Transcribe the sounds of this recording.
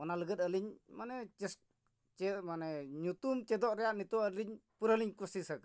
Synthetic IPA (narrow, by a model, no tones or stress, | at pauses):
ɔnaləɡət̪̚əliɲmanɛt͡ʃɛs | t͡ʃɛmanɛɲut̪umt͡ʃɛd̪ɔʔɾɛjaʔnit̪ɔəliɲpuɾəliɲkusisək